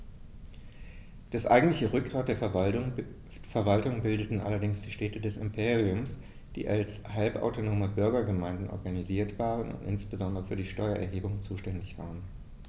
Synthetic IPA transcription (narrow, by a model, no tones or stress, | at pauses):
d̥asʔa̰ɪɡŋ̩tlɪçəʁʏk̚ɡ̥ʁaːt̚d̥eːɐ | fɛɐvaltʊŋbɪldətn̩ʔa̰lɐdɪŋsd̥iːʃtɛːtədɛsɪmpʰeːʁiʊms | d̥ḭːʔalshalpʔa̰ʊtonoːməbʏɐɡɐɡəmaɪ̃ndn̩ʔɔ̰ɐɡaniziːɐtv̥aːʁ̞ənʊ̰ntʔɪ̰nsb̥əzɔndəʁəfyːɐdiːʃtɔʏɐʔɛ̰ɐɦeːbʊŋt͡suːʃtɛndɪçv̥a̰ːʁən